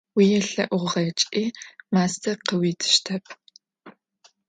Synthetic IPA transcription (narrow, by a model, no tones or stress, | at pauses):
wijɛɬɐ̰ʔʊʁʁɐt͡ʃʼiːmaːstʰɐqəwiːtʰɨ̥ʃtʰɐpʰ